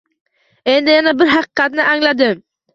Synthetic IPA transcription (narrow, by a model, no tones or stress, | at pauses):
e̞nd̪ɪjanabɪɾɦɑqɨ̥qʰɑt̪nɪʔæŋlad̪ɪm